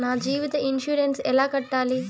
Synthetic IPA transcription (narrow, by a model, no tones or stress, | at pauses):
naːd͡ʒiːʋit̪ɐinʃuːɾensɛlaːkɐʈːaːli